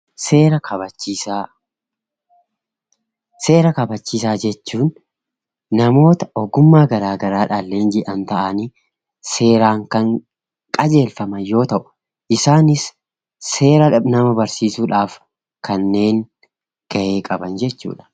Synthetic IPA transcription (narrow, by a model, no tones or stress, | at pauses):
seːɾɐkɐbɐt͡ʃːia | se̞ːɾɐkɐbɐt͡ʃːiːs̬aːd͡ʒɛt͡ʃːuːnː | ɐmo̞ːt̪ɐɔɡʊmːaːɡɐɾaːɡɐɾaːᶑaːlːeːnd͡ʒɪʔɐnt̪ɐʔɐni | seːɾaːŋkɐŋ | kʼɐd͡ʒe̞ːlfɐmɐnjo̞ːt̪ɐʔʊ̥ | ʔɪsaːnɪsː | e̞ːɾɐᶑɐbnɐmɐbɐɾsiːsuːᶑaːf | kɐnːe̞ːŋ | ɡ̥ɐʔe̞ːkʼɐbɐnd͡ʒɛt͡ʃːṵːᶑɐ̥